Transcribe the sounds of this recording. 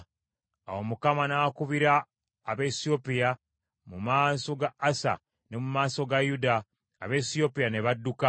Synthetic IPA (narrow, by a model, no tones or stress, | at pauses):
awomukamanakuβiɾaː | βesiopija | mumaːso̞ɡaːsa̰ | ne̞mumaːso̞ɡajuda̰ː | βesijo̞pijane̞βadːuka